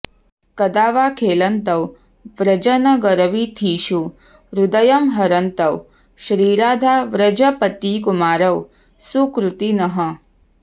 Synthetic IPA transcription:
kɐd̪aːʋaːkʰeːlɐnt̪ɐw | ʋɾɐd͡ʒɐnɐɡɐɾɐʋit̪ʰiːʃu | ɾud̪ɐjɐmɦɐɾɐnt̪ɐw | ʃɾiːɾaːd̪ʱaːʋɾɐd͡ʒɐpɐt̪ikumaːɾɐw | sukɾut̪inɐɦɐ

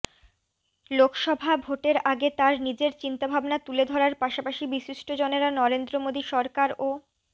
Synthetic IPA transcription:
lokʃɔbʱabʱoʈeɾaɡet̪aɾnid͡ʑeɾt͡ɕint̪abʱabnat̪uled̪ʱɔɾaɾpaʃapaʃibiʃiʃʈod͡ʑoneɾanɔɾend̪ɾomod̪iʃɔɾkaɾo

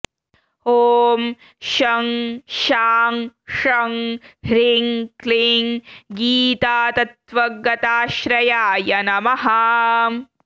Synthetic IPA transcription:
oːm | ʃɐŋʃaːŋʂɐŋhɾiŋkliŋɡiːt̪aːt̪ɐt̪ʋɐɡɐt̪aːʃɾɐjaːjɐnɐmɐɦɐ

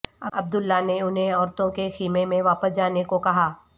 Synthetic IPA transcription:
ɐ̰ɐ̰b̚d̪ʊlːaneʊnɦẽɔːɾt̪õkexiːmemẽʋaːpəsd͡ʒaːnekokɐɦaː

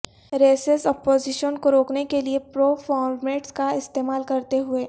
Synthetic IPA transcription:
ɾeːsesɔpoːzɪʃənkoɾoːknekeliepɾoːfʰɔːɾmeːʈskaɪst̪eːmaːlkɐɾt̪eɦʊeː

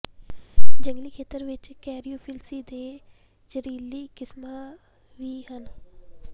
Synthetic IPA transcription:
d͡ʒə̃ŋɡliːkʰeːt̪əɾʋɪt͡ʃkɛːɾiuːpʰɪlsiːd̪eː | d͡ʒəɾiːlːiːkɪsmaː | ʋiːɦən

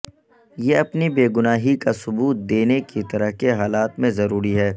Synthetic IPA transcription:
jeɐpnibeːɡʊnaːɦikasʊbuːt̪̚d̪eːnekit̪ɐɾəɦkeɦaːlaːt̪mẽzɐɾuːɾiɦɛː

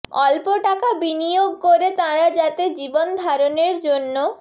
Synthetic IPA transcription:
ɔ̰lpoʈakabinijoɡ̚koɾet̪ãɾad͡ʑat̪ed͡ʑibond̪ʱaɾoneɾd͡ʑonːo

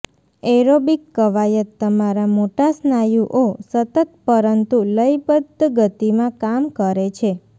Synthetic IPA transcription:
eɾobikːəʋajət̪ːəmaɾamoʈasnajuʔosət̪ət̪̚pəɾənt̪uləjpəd̪ɡət̪imãkamkəɾet͡ʃʰe

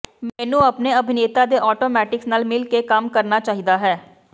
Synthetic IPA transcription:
mɛːnũːəpneːəbʱɪneːt̪aːd̪eːʔɔːʈoːmɛːʈɪksnaːlmɪlkekəmkəɾnaːt͡ʃaːɦid̪aːɦɛː

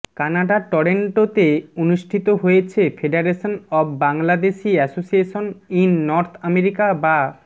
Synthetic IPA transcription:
kanaɖaʈɔɾeɳʈot̪eonuʃʈʰit̪oɦojet͡ɕʰefʰeɖeɾeʃonɔfbaŋlad̪eʃiɛsosieʃoninːɔɾt̪ʰameɾikaba

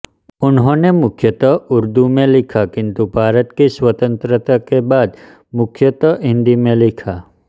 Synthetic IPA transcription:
ʊnɦõnemʊkʰjət̪əʊɾd̪umẽlɪkʰakɪ̃nt̪ubʱaːɾət̪kiswət̪ə̃nt̪ɾət̪akebaːd̪ | mʊkʰjət̪əɪ̃nd̪imẽlɪkʰaː

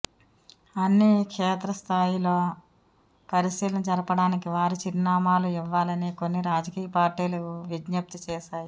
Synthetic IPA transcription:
ɐnːikʂɛːt̪ɾɐst̪ʰaːjilo̞ː | pɐɾisiːlɐmd͡ʒɐɾɐpɐɽaːnikiʋaːɾit͡ʃiɾnaːmaːluiʋːaːlɐniːko̞nːiɾaːd͡ʒɐkiːjɐpaːɾʈiːlɐkuʋid͡ʒnɐp̚t̪it͡ʃɛːʃaːju

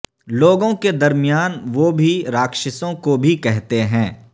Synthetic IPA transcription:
loːɡõked̪ɐɾmɪjaːnʋobʱiɾaːkʃɪsõkobʱikɛɦt̪eɦɛ̃ː

